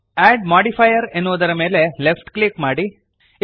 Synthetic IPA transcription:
aːɖmaːɖipʰɐjɐɾenːuʋud̪ɐɾɐme̞ːle̞lepʰʈklikmaːɽi

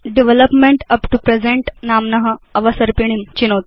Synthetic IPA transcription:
ɖiʋeləpmeɳʈɐpʈupɾed͡zẽɳʈnamnɐɦəɐʋəsəɾpiɽ̃imt͡ɕinot̪̚

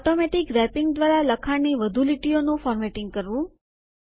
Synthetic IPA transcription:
ɔʈomɛʈɪkɾɛpɪŋɡd̪ʋaɾaləkʰaɽniʋəd̪ʱuliʈionũfɔɾmɛʈɪŋɡ̚kəɾʋũ

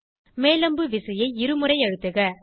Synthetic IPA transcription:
meːlɐmbɯʋɪsɐjɐɪɪɾɯmɯrɐɪɐɻɯt̪ːɯɣɐ

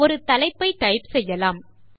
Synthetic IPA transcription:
ɔɾɯt̪ɐlɐɪpːɐɪʈ̪ɐɪpsɛjːɐlaːm

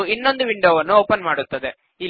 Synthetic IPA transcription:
inːo̞nd̪uʋiɳɖoːʋɐnːuoːpɐnmaːɽut̪ːɐd̪e | i

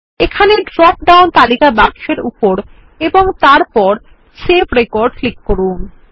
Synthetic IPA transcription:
ekʰaneɖɾɔp̚ɖawnt̪alikabakʃeɾupoɾ | eboŋt̪aɾpɔɾ | sepɾekoɾɖklikːoɾun

